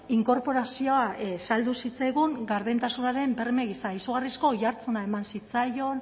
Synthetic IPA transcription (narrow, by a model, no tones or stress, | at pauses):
iŋko̞ɾpo̞ɾasio̞asald̪usit͡sajɣuŋɡaɾðent̪asunaɾe̞mbe̞rme̞ɣisaisuɣ̞arisko̞ʝaɾt͡sunae̞mansit͡sajo̞n